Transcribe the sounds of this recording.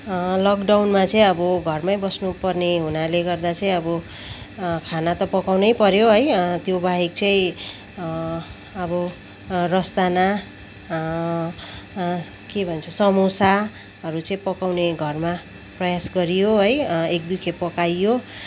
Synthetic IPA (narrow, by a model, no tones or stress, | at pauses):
lʌkɖawnmat͡sʌĩʌbʌɡʱʌrmajbʌsnupʌrneɦunaleɡʌrd̪at͡sʌĩʌbʌ | kʰanat̪ʌpʌkawnʌjpʌɾjoɦʌjt̪jobaɦik̚t͡sʌĩ | ʌbʌ | rʌst̪ana | kebʱʌnt͡sʰʌsʌmosa | ɦʌɾut͡sʌĩpʌkawneɡʱʌrma | prʌjasɡʌɾijoɦʌjek̚d̪ukʰepʌkajo